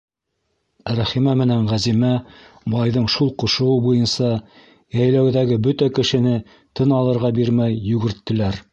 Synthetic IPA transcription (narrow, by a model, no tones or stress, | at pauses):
ɾæχimæmɘ̆næɴʁæzimæ | bɑjðɤɴʃulˠqŏʃŏwɤbujɤnsɑ | jæjlæwðæɡɘbɵt̪ækɘ̆ʃɘ̆nɘ | t̪ʰɤnɑlˠɤ̆ɾʁɑbiɾmæjːʉɡɘ̆ɾt̪ːɘ̆læɾ